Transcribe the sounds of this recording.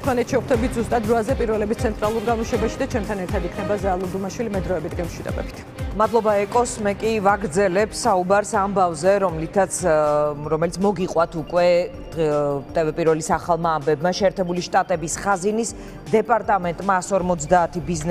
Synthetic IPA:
t̪ʰmanɛt̪ʰʃɛχd̪ɛbit̪ʰzust̪ʼat̪ːɾɔazɛpʼiɾvɛlɛbist̪sʰɛnt̪ʼɾalˠuɾɡamɔʃɛbaʃid̪at͡ʃʰɛmt̪ʰanɛɾt̪ʰad̪ikʰnɛbazaːlˠɔd̪umaʃwilimɛd̪ɾɔɛbit̪ɡɛmʃwid̪ɔ̰bɛ̰bi̥t̪ʰ | mad̪lˠɔbaɛkʼɔsmɛkʼivaɡɾd̪zɛlɛpsaubaɾsambavzɛɾɔmlit̪ʰat̪sʰɾɔmɛlit̪sʰmɔɡiqʼwat̪ʰukʼwɛ̥ | t̪ʼɛvɛpʼiɾvɛlisaχalˠmaːmbɛbmaʃɛːɾt̪ʰɛbuliʃt̪ʼat̪ʼɛbisχazinis | d̪ɛpʼaɾt̪ʼamɛnt̪ʼmaːsɔɾmɔt̪sʰd̪aːt̪ʰibizn

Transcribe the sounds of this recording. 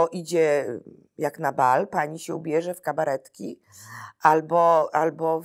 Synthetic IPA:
ɔʔid͡ʑɛ | jaknabalpaɲiɕɛubʲjɛʐɛfkabaɾɛt̪kʲi | ʔalbɔalbɔ

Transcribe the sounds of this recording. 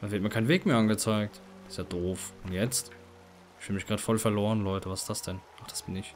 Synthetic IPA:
davɪɐt̚miːɐkʰaɪnveːkmeːɐʔanɡət͡saɪk̚t | ɪstjaːd̥oːfʊntjɛt͡stː | ʃvɪːmɪçɡ̥ʁaːdə̥fɔlfɛɐloːʁənlɔʏtəvasɪ̥sd̥asd̥ɛnʔaχd̥ḁsb̥ɪnɪç

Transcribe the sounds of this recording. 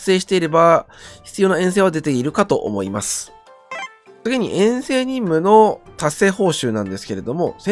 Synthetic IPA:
seːɕi̥t̪e̞iɾe̞baçi̥t͡sɨjo̞ːnaẽ̞ɰ̃s̬eːβad̪e̞t̪e̞iɾɯ̟kat̪o̞ʔo̰mo̞imasɨ̥ | t͡sɨɡʲiɲ̟ḭʔẽ̞ɰ̃se̞ːɲ̟ĩmːɯ̟no̞t̪ase̞ːho̞ːɕɨːnãnd̪e̞sɨ̥ke̞ɾe̞d̪o̞mo̞se

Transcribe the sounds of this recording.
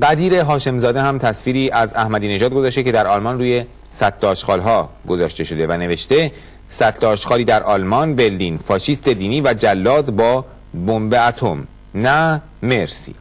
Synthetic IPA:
ɢæd̪iːɾe̞ɦɒːʃe̞mzɒːd̪e̞hæmt̪ʰæsfiːɾiːʔæzæhmæd̪iːne̞ʒɒːd̪̚ɡo̞zɒʃt̪ecʰe̞d̪æɾɒlmɒnruːje̞ | sæt̪ʰloːʃqɒːlɦɒːɡo̞zɒːʃt̪e̞ʃo̞d̪e̞væne̞ve̞ʃt̪e̞ | sæt̪ʰlɔːʃqɒːliːd̪æɾʔɒːlmɒnbeɾliːnfɒːʃiːst̪e̞d̪iːniːvæd͡ʒælːɒːd̪bɒː | bo̞mbeæt̪ʰo̞m | næ | me̞ɾsḭː

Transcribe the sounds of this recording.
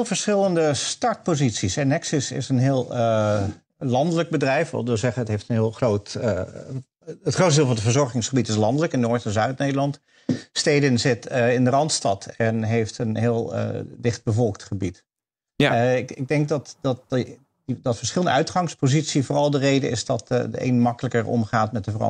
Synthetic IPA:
lˠvəɹsχɪlˠəndəstɑɹt̚pozitsisɛnɛksəsɪ̰sənɦɪːlˠə | lɑndələk̚bədrɛjfʋɔ̰ʋɪlˠzɛχəətɦejftənɦɪːlˠχroːt | ətχrowtdɪːlˠvɑndəvəɹzɔɹχɪŋsχəbitɪslɑndələkɪnːoːɹtɛnzœɥtneːdəlˠɑnt | steːdənzɪtɪndərɑntstɑtʰɛnɦejftənɦɪːlˠə̰dɪχd̚bəvɔlˠktχəbit | ɪɪɡ̚dɛŋk̚dɑtdɑt | dɑtfəɹsχɪləndəœɥtχɑŋspozitsivoːrɑlˠdərejdəɪ̰sdɑtdəḛjnmɑkələkəɹɔ̰mχaːtmɛt̚dəvərɑ̰

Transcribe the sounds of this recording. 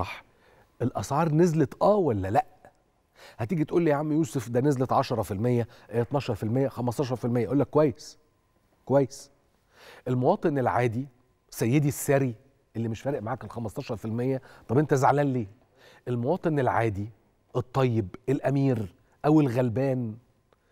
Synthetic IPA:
ɑħ | ʔelʔɑsʕɑːɾˤnezlet̪ʔæːwælːælæʔ | hæt̪iːɡit̪ʔuːlːiːjaʕamijuːsefd̪ænezlet̪ʕɑʃɑɾˤɑfilmejːæʔæt̪nɑːʃɑɾˤfilmejːæxæmɑsˤt̪ɑʃ̬ɑɾˤfilmejːæʔulːækːowæjːes | kowæjːes | ʔelmowɑːt̪ˤenelʕaːd̪i | sæjːed̪isːæɾi | ʔelːimeʃfæːɾeʔmaʕaːkelxæmɑsˤt̪ɑːʃɑɾˤfilmejːæt̪ˤɑbʔent̪æzaʕlæːnleː | ʔelmowɑːt̪ˤenelʕa̰ːd̪i | ʔet̪ˤːɑjːebelʔæmiːɾ | ʔæwelɣælbæːn

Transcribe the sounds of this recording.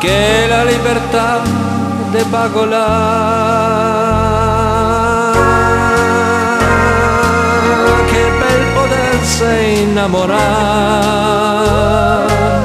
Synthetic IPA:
kelalibert̪a | d̪epaɡola | kepːelpod̪ɛnse | inːamoɾa

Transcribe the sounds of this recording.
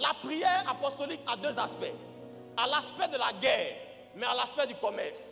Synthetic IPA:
lapχijɛʁapɔst̪ɔlikad̪øzaspɛ | alaspɛd̪əlaɡɛːʁ | mɛalaspɛd̪ykɔmɛʁs

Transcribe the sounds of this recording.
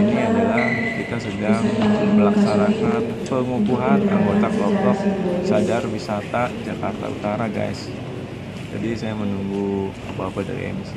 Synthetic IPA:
iniadalahkit̪asəɡaŋməlaksaɾakat̪̚pəŋukuɦana̰ŋɡot̪aklɔtɔk̚sadarwisat̪ad͡ʒakart̪a̰ṵt̪aɾaɡa̰js | d͡ʒa̰disajamənuŋɡu | apaapada̰ɾḭa̰nis

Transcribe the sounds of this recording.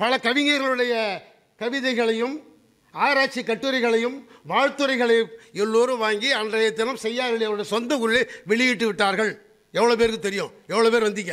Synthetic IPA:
pɐɭɐkɐʋɪŋeːɾɣɐɭɯɽɐjɐ | kɐʋɪðɐɪɣɐɭɐjɯm | aːɾaːt͡ʃːikːɐʈːɯɾɐɪɣɐɭɐjɯmʋaːɻt̪ɯɾɐɪɣɐɭɐɛlːoːɾɯʋaːŋɡiɐndrɐjɐt̪ːɐnɐmsɛjːaːɾɣɐɭɐʋɐnɯɽɐjɐsɔnd̪ɐkʊɾɭɐʋɛɭɪjɪʈːɯʋɪʈːaːɾɣɐɭ | ɛʋːɐɭoːpeːɾkɯt̪ɛɾɪjõːɛʋːɐɭoːp̬eːɾʋɐnd̪ɪkːɐː

